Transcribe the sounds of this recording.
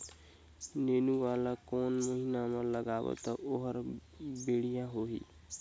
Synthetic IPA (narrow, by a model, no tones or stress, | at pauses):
neːnuʋaːlãkɔːnməɦinamãləɡaːwo̰t̪ɔʔoɦəɾ | beːɽijãɦoːɦḭː